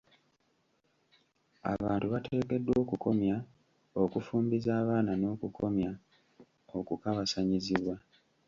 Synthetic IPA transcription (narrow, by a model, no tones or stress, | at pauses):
a̰βaːntuβatʰe̞ːke̞dːwo̞ːkukʰo̞mja | o̞kufuːmbizaːβaːnano̞ːkukʰo̞mja | okukaβasaɲiziβwa